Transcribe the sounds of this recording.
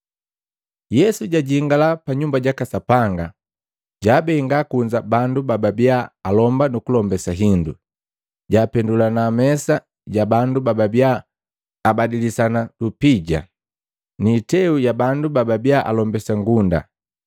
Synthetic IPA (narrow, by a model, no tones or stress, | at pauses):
jɛsuɟaɟiŋɡalapaɲumbaɟakasapaŋɡa | ɟaːbɛiŋɡakuɲd͡ʒabandubababjaːlɔmbanukulɔmbɛsaɦindṵ | ɟaːpɛndulanamɛsa | ɟabandubababjaː | badilisanalupiɟa̰ | niːtɛujabandubababjaʔa̰lɔmbɛsaŋɡunda̰